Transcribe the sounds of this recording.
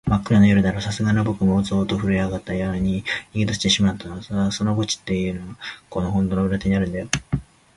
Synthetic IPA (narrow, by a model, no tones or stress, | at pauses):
makːɯ̟ɾanojoɾɯ̟d̪aɾosasɨɡanobo̞kɯ̟moːt͡soːt̪oɸɯ̟ɾiaɡat̪ːajaɾaɲ̟iɲiɡʲit̪oɕi̥t̪e̞ɕimat̪ːanosaso̞noɡo̞t͡ɕi̥t̪ːe̞jɯ̟ːnoako̞no̞ɦõ̞nd̪onobɯ̟ɾat̪e̞ɲinaɾɯ̟̃nd̪ajo